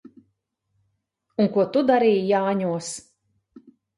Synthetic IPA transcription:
uŋkuɔt̪ud̪aɾiːjjaːɲuɔs

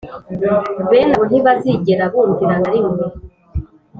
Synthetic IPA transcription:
βe̞ːnaβon̥iβaziɟeɾaβuːntiɾaβaɾiŋɡo

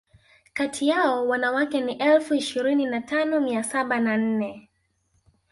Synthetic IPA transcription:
katʰiaɔwanawakɛniʔɛlfuiʃiɾininatanɔmiasaɓanan̩nɛ

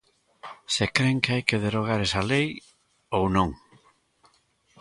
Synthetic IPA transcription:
sekɾeŋkeajkeðeɾoɣ̞aɾesalej | ownõŋ

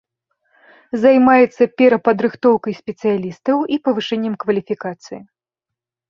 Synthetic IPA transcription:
zajmajɛt̪sːɐpʲɛɾɐpɐd̪ɾɨxt̪ɔwkɐjsʲpʲɛt̪sɨjalʲist̪ɐwipɐvɨʂɛnʲːɛmkvɐlʲifʲikat̪sɨji

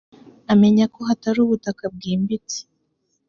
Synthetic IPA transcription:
ame̞ɲako̞ɦataɾuːβutakab̚ɡiːmbit͡si̥

